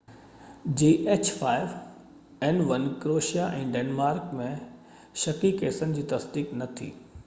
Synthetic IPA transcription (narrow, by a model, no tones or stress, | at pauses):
d͡ʑiːʔeːt͡ɕfaːɪʋ | ɛnʋɐnkɾoːʃijaʔɛ̃ːɖeːnmaːɾkmẽ | ʃɐkikeːsənd͡ʑiːt̪ɐsd̪iːknɐt̪ʰḭː